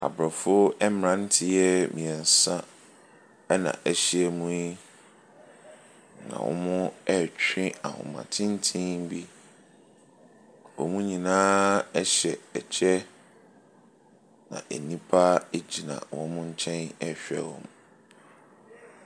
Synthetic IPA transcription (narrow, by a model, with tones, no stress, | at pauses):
a̰˨bɾɔ˨fʊ˦ɛ˦m˨ɾã˦n̩˦tʰɪ˦jɛ˦mĩ˨ɛ˨n̩˨sã˦ | ɛ˦nã̰˨ʔæ˦ɕi˦ɛ˨mũ˦i˦ | nã̰˨wʔɔ̰˦mʊ̃˦ɛ˦t͡ɕʰᶣɪ̃˦a˨hʊ̰̃˨mã̰˨tʰɪ̃˦n̩˦tʰĩ˦bi˦ | wɔ̰˨mũ˦ɲĩ˨nãː˦ɛ˦ɕɛ˨ɛ˨t͡ɕʰɛ˦ | nã̰˨ʔe˨nĩ˦pʰa˦e˦d͡ʑi˨nã̰˨wɔ̃˦mʊ̃˦ɲ̩˦t͡ɕʰɛ̃˦nɛ˦ɕᶣɛ̰˨wɔ̰̃˨m˨